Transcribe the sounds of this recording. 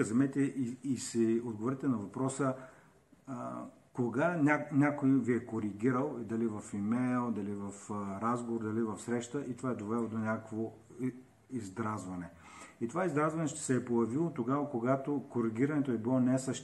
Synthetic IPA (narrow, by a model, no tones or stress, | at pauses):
zɛmɛt̪ɛʔiisɛod̪ɡovoɾɛt̪ɛnɐvɐpɾɔsə | koɡanʲanʲakojviɛkoɾiɡʲiɾəlˠd̪ɐlivɐfimɛjlˠd̪ɐlivɐfɾazɡovoɾd̪ɐlivɐfsɾɛʃt̪əʔit̪ovaɛd̪ovɛlˠod̪onʲakəkvo | izd̪ɾazvɐnɛ | it̪ovaizd̪ɾazvɐnɛʃt̪ɛ̥sɛːpojɐvilˠot̪oɡavɐkoɡat̪okoɾiɡ̟ʲiɾɐnɛt̪oɛbilˠɔnɛsəʃ